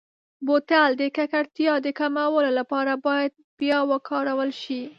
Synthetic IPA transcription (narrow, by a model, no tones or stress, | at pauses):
bot̪ald̪əkakaɽt̪jɑd̪əkamawəlolapɑɾabɑjad̪̚bjɑwəkʰɑɾawəlʃi